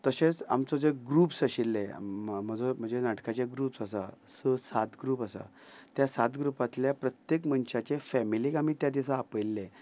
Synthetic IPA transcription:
t̪əɕẽt͡sa̰mt͡sɔd͡zeɡɾuːpsəɕilːḛm̤əd͡zom̤əɳd͡zenaʈkat͡ɕeɡɾuːpsasa̰səsat̪ɡɾuːpəsa̰ | t̪jasat̪ɡɾupat̪ljapɾət̪jekmənɕat͡ɕefɛmilikamiːt̪jad̪isaːpəjlːẽ

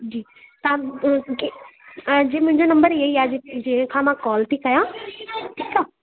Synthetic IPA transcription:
d͡ʑiː | t̪ɐãk | d͡ʑeːmʊ̃ɦɪ̃ɲd͡ʑonɐ̃mbəɾiɦɐiaːd͡ʑeked͡ʑĩːɦə̃kʰãːmãkɔːlt̪ʰikɐjãʈʰiːka

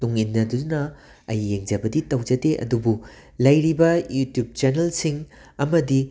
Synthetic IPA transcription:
tuŋinːɐdunɐ | ɐjːeŋd͡ʒɐbɐditɐwd͡ʒɐdeʔɐ̰dubu | lɐjɾibɐjutjub̚t͡ʃɐnelsiŋ | ɐmɐdi

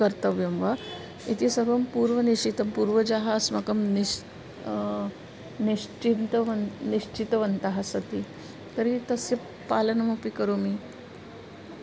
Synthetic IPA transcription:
kəɾt̪əʋjemʋa | it̪isəɾʋɐmpuːɾʋəniʂit̪əmpuɾʋəd͡ʒaɦasmakəmni | niʂt͡ʃint̪əʋnniʂt͡ʃit̪ʋənt̪aɦasət̪i | t̪əɾit̪əse | palənɐmapikəɾomi

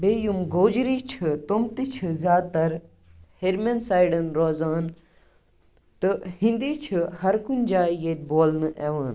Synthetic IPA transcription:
beːjumɡoːd͡ʒɾiːt͡ʃʰɨt̪omt̪it͡ʃʰɨzjaːd̪t̪ɐɾ | heɾmensaːjɖɐnɾoːzaːn | t̪ɨhĩnd̪iːt͡ʃʰɨhɐɾkunʲd͡ʒaːjeːt̪̚boːlnɨʔeʋaːn

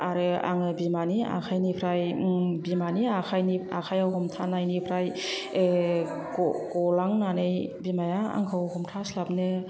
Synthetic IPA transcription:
aɾɯa̰ŋɯbimania̰kʰajnipʰɾajbimaniakʰajnia̰kʰajawhɔmtʰanajnipʰɾaje | ɡɔɡɔlaŋnanɯjbimajaa̰ŋkʰɯwhɔmtʰaslapnɯ

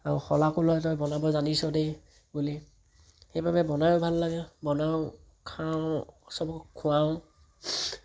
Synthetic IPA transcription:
aɹuxɔlakulɔjtɔjbɔnabɔzanisɔdej | buli | xejbabɛbɔnajʊbʱalːaɡɛbɔnaʊ | kʰaʊ̃sɔbkʰːuaʊ̃

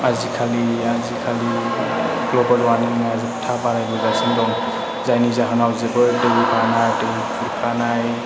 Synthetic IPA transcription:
azikʰaliazikʰali | klɔbɔɾwaninaziptʰabaɾajbɔɡasɔndɔŋ | zajnizaɦanawzebɯɾdɯɡukʰanajtɯwikʰuɾkʰanaj

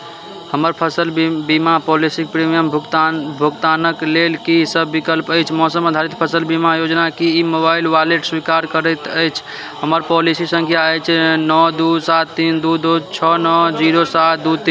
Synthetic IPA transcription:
həməɾpʰəsəlbimapɔlisik̚pɾimijəmbʱt̪bʱukt̪anəklelkisəbːikəlpəjt͡ʃʰmɔsəməd̪ʱaɾit̪̚pʰəsəlbimajod͡ʒnakiimobailʋaleʈswikaɾkəɾət̪əjt͡ʃʰ | ɦəməɾpɔlisisə̃ŋkʰijaəjt͡ʃʰnɔd̪usat̪ːind̪ud̪ot͡ʃʰənɔd͡ʒiɾosat̪̚d̪ut̪in

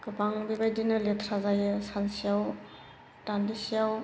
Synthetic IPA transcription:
kɯpʰaŋbibajdinaletʰɾazajɯsansijaw | tandisijaw

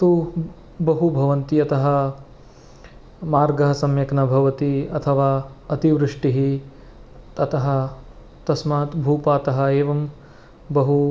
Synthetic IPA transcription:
t̪u | bɐɦubʱɐʋɐnt̪iɐt̪ɐɦɐ | maːɾɡɐɦɐsɐmjɐknɐbʱɐʋɐt̪iɐt̪ʰɐʋaːɐt̪iʋɾɨʂʈiɦi | t̪ɐt̪ɐɦɐ̆ | t̪ɐsmaːt̪bʱuːpaːt̪ɐɦɐeːʋɐm | bɐɦu

